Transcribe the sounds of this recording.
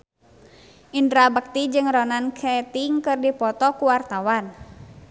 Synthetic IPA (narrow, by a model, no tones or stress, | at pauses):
ʔindɾabək̚t̪id͡ʒɨŋɾɔnankʰɛt̪iŋkɨrdipɔt̪ɔkuwart̪awan